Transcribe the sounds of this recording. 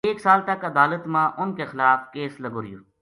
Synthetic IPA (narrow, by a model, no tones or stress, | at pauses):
eːksaːlt̪ɐkəd̪aːlət̪mãːʔʊnkexɪlaːfkeːsləɡoːɾɪjṵː